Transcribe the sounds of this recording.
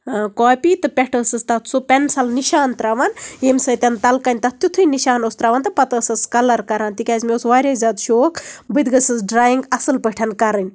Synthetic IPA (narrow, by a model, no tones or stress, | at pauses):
koːpʲiːt̪ɨpʲɛʈʰəːsɐst̪ɐt̪ʰsupʲɐnsɐlniʃaːnt̪ɾaʋanemsɐt̪ʲɐnt̪ɐlkɐnʲt̪ɐt̪ʲjut̪ʰɨniʃaːnost̪ɾaːʋaːnt̪ɨpɐt̪əːsɐskɐlɐɾkɐɾaːnt̪ikʲaːzmʲeosʋaːɾʲazʲaːd̪ʃoːkbɨd̪ɡɐsɐsɖɾaːjiŋɡɐsɨlpəʈʰɐnkɐɾɨnʲ